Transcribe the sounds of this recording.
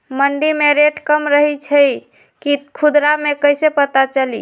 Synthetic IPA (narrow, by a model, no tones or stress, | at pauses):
məɳɖimeɾeʈkəmɾəɦit͡ʃʰə | kikʰud̪ɾamekəjsepət̪at͡ʃəli